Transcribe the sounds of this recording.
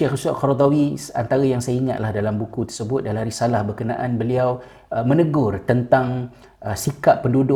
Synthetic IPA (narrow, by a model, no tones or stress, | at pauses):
ɛxsaʔkɔɾod̪awiant̪aɾajaŋsajaiŋa̰t̪̚lahdalambukut̪ərsəbʊt̪̚dalahaɾisalahbərkəna̰ʔanbəliaw | mə̃nəɡʊrt̪ənt̪aŋ | əsikapːəndudʊ